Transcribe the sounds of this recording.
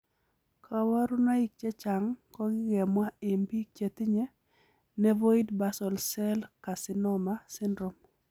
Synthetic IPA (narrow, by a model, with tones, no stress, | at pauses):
kʰa˨wa˦ɾu˦na˦i˦k̚t͡ʃe˦t͡ʃa˨ŋkɔ˦ɡɪ˦ɡɛ˨mwa˦e˨mbi˦t͡ʃe˨t̪ɪ˦ɲɛ˦ | nɛ˦vo˦i˦dba˨sɔ˨lsɛ˦lka˨sɪ˦nɔ˦ma˦sɪ˦ndɾɔ˨m